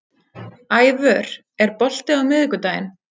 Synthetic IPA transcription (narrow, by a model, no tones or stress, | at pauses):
aːjvœɾ̥ | ɛɾpɔl̥t̪ɪawmɪðkʏt̪aːjɪ̰n